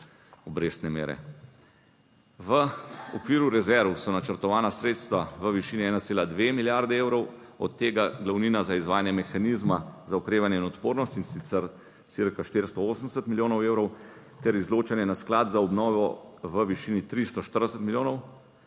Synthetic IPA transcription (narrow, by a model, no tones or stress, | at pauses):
ɔbɾeːst̪nɛmḛːɾɛ̰ | ʋəɔkʋiːɾuɾɛzɛɾʋwsɔnat͡ʃəɾt̪ɔʋaːnasɾeːt̪st̪ʋaʋəʋiʃiːniɛːnat̪seːlad̪ʋemiljaɾd̪ɛeːwɾɔw | ɔ̰t̪ːeːɡaɡlawniːnazaizʋaːjanjɛmɛxanizmazaɔkɾeːʋanjɛinɔt̪poːɾnɔst̪insit̪sɛɾ | siɾkaʃt̪eɾst̪ɔoːsənd̪ɛsət̪miljoːnɔweːwɾɔw | t̪ɛɾizloːt͡ʃanjɛnasklaːd̪zaɔbnɔːʋɔʋəʋiʃiːnit̪ɾist̪ɔʃt̪əɾd̪ɛsət̪miljoːnɔw